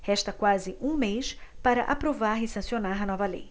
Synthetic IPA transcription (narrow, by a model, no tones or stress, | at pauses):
hɛʃt̪ɐkwazɪʔũmejspaɾɐʔapɾovaɾɪsɐ̃sionaɾɐnɔvɐlḛj